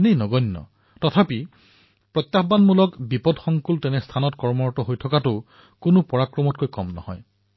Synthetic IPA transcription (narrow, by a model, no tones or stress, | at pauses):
nejnɔɡɔnːɔ̰ | tɔtʰapi | pɹɔt̪jaxbanmulɔkbipɔdxɔŋkultɛnɛstʰanɔtkɔɹmɔɹɔtɔɦojtʰɔkatʊ | kʊnʊpɔɹakɹɔmɔt̚kojkɔmnɔ̰hɔ̰j